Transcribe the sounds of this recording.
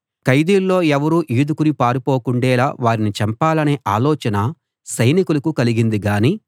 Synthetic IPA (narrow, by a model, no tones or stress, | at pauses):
kɐjd̪iːlːo̞ːɛʋɐɾuːʔiːd̪ukunipaːɾupo̞ːkuɳɖɛːlaːʋaːɾinit͡ʃɐmpaːlɐne̞ːʔaːlɔːt͡ʃɐnɐ | sɐjnikulɐkukɐliɡind̪iɡaːniː